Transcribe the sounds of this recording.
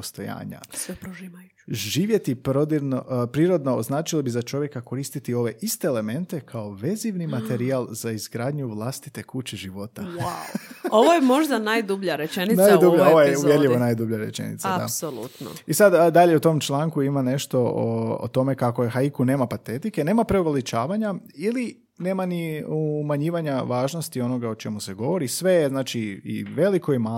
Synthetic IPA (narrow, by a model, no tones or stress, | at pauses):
post̪o̞ja̰ːɲa̰sepɾoʒia | ʒiːʋje̞t̪ipɾod̪iɾnopɾiːɾo̞d̪no̞ːznaːt͡ʃilobizat͡ʃo̞ʋje̞kako̞ɾiːst̪it̪io̞ʋe̞ʔist̪e̞ːle̞me̞nt̪e̞kʰaoʋe̞ziʋnimat̪e̞ɾialˠz̥aizɡɾaːd̪ɲuʋlˠast̪i̥t̪e̞kut͡ɕeʒiʋo̞t̪awawoʋojemo̞ʒd̪anajd̪ubʎaɾet͡ʃeninajduʎaoʋojeuʋjeɾʎiʋonajd̪ubʎaɾe̞̰t͡ʃḛnḭt̪saad̪a̰solˠut̪no̰isad̪d̪aʎeut̪o̞mt͡ʃlˠaːŋkuimane̞ʃt̪o̞o̰o̰t̪o̞me̞kako̞jexaikune̞ːmapat̪e̞t̪ike̞ne̞ːmapɾeoʋalit͡ʃaːʋaɲaili | ne̞ːmaniumaɲiːʋaɲaʋaːʒnost̪io̞no̞ɡao̞t͡ʃe̞muse̞ɡo̞ʋo̞ɾisʋe̞znaːt͡ʃiḭʋe̞likoima